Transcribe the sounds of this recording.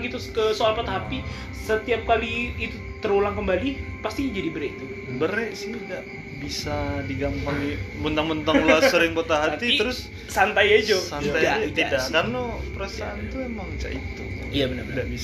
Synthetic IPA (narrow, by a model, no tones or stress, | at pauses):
ɡit̪ukəsoalpat̪aapi | sət̪iap̚kaliːt̪u | t̪əɾulaŋkəmbalipast̪id͡ʒadibəɾɛit̪u | bəɾɛʔsiɡaɡaʔ | bisadiɡampaŋimənt̪aŋmənt̪aŋlasəɾɪŋpət̪aɦat̪iəɾʊs | sant̪ajad͡ʒosant̪ajat̪idaʔkarnopɾəsaːnt̪uemamit͡ʃa̰ʔit̪u | jabənədaʔbis